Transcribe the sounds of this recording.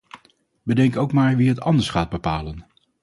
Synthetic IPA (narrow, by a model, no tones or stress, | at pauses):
bədɛŋkowkmaːɹʋiɦətɑndəɹsχaːd̚bəpaːlən